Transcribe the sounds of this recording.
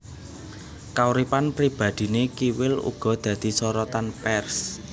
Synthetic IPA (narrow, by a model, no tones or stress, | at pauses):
kauɾipanpɾib̥ä̤d̪̥i̤nekiwɪlṵɡ̥ɔ̤d̪̥ä̤d̪̥i̤sɔɾɔt̪anpɛrs